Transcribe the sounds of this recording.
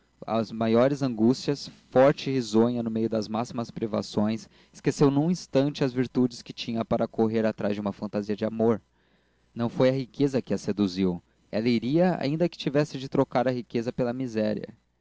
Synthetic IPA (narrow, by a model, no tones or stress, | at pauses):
ɐ̰zmajɔɾɪzɐ̃ŋɡust͡ʃiɐsfɔɾt͡ʃɪhizõɲɐnʊmejʊd̪ɐzmasimɐspɾiva̰sõj̃s | ɪskesewnũĩst̪ɐ̃nt͡ʃɪɐzviɾt̪ud͡ʒɪskɪt͡ʃĩɲɐpaɾʔɐkoɦeɾat̪ɾazd͡ʒɪũmɐfɐ̃nt̪aziɐd͡ʒɪamoɾ | nɐ̃w̃fojɐɦikezɐkɪɐsed̪uziw | ɛ̰lɐiɾiɐa̰ĩnd̪ɐkɪ̥t͡ʃivɛsɪd͡ʒɪt̪ɾokaɾɐɦikezɐpelɐmizɛɾiɐ̰